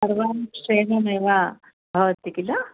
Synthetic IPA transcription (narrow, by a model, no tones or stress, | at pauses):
ɐɾʋaːnʂeːnɐmeːʋa | bʱɐʋɐt̪ːikilɐ